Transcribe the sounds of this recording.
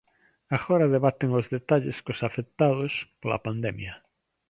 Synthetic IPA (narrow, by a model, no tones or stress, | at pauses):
aɣoɾaðeβat̪eŋozðet̪aʎḛskosafek̚t̪aðospola̰pand̪ɛmja